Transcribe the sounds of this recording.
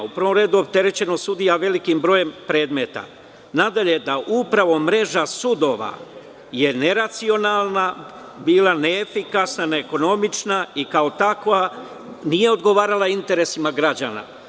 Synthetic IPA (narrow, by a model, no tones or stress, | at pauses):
upɾʋo̞mɾe̞ːd̪uop̚t̪e̞ɾe̞t͡ɕe̞no̞sud̪ijaʋe̞likimbɾo̞ːje̞mpɾe̞ːd̪me̞t̪a̰ | nad̪aʎe̞d̪aʔupɾaʋo̞mɾe̞ʒasud̪o̞ʋa̰ | je̞ne̞ɾat̪sio̞nalˠna | biːlˠaneːfikasnaneːko̞no̞mit͡ʃnaikao̞t̪akʋa | nije̞o̞d̪ɡo̞ʋaːɾalˠaint̪e̞ɾe̞simaɡɾad͡ʑa̰ːna̰